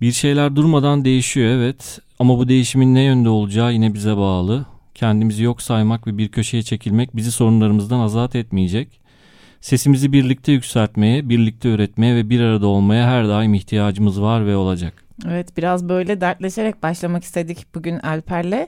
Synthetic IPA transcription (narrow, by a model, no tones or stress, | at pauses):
biɾʃe̞jlʲæɾd̪uɾmad̪and̪e̞jiʃijo̞ɛvɛt̪ | amabud̪e̞jiʃiminːɛjønd̪ɛo̞lˠud͡ʒaːjinɛbizɛbaːlˠɯ | cʰɛnd̪imizijo̞ksajmakvɛbiɾcʰø̞ʃe̞jɛt͡ʃʰe̞cʰilʲmɛc̚biziso̞ɾunlˠaɾɯmɯzd̪anazat̪ʰɛt̪mijed͡ʒɛc | se̞simizibiɾlʲic̚t̪ʰɛjycʲsælʲt̪me̞jɛbiɾlʲic̚t̪ʰɛøːɾɛt̪me̞jɛvɛbiɾaɾad̪ao̞lˠmajaɦæɾd̪aːjimiçt̪ʰijaːd͡ʒɯmɯzvaɾvɛo̞lˠad͡ʒak | evɛt̪b̥iɾazbø̞jlʲɛd̪æɾt̪lʲeʃeɾɛc̚baʃlˠamaki̥st̪ʰe̞d̪icb̥uɟynælʲpʰæɾlʲɛ